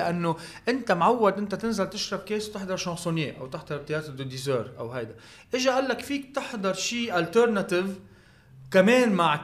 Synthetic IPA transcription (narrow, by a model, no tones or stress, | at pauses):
ʔanːoʔɪnt̪amʕawːad̪ʔɪnt̪at̪ɪnzalt̪ɪʃɾˤɑb̚keːswt̪ɪħd̪ɑɾˤʃɑ̃nsˤuneːʔa̰wt̪ɪħd̪ɑɾˤt̪ɪjɑːt̪d̪ɪd̪izøːɾʔa̰wɦajd̪a | ʔɪʒaʔalːakfiːk̚t̪ɪħd̪ɑɾˤʃiːʔalt̪ɛɾnat̪ɪv | kameːnmaʕ